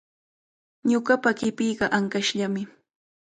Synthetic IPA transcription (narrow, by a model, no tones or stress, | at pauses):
ɲʊɢɑpakɪpijɢɑʔaŋkaʃʎamɪ